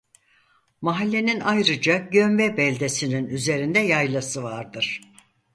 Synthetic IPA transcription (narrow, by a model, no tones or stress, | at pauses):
maɦalʲːe̞ninajɾɯd͡ʒaɟønvɛbɛlʲd̪esininyze̞ɾind̪ɛjajlˠasɯvaɾd̪ɯɾ̥